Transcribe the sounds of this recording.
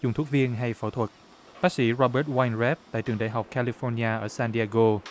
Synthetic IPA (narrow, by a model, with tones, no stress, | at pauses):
zʊ˨˩ŋ͡mt̪ʰu˦˥k̚vi˧ənɦa˧jfəː˧˩t̪ʰwə˨˩t̚ | ɓaː˦˥k̚sḭ˧˥ɹɔ˧ɓəː˦˥t̚wa˧jnzɛ˦˥p̚t̪a̰˧˨jt͡ɕɨ˨əŋɗa̰˧˨ɦa˨˩wk͡p̚kʰaː˧li˧fɔ˧n˧aː˧ʔəː˧˩saː˧nɗi˧aː˧ɣo˧